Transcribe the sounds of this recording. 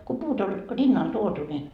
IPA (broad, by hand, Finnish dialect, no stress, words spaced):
ko puːt olʲ rinːɑl tuotu ni